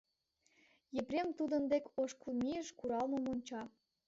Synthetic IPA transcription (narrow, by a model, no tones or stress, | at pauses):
jĕprʲemt̪ud̪ə̆nd̪ekoʃkulmiəʃkuɾɑlmə̆monʲt͡ɕɑ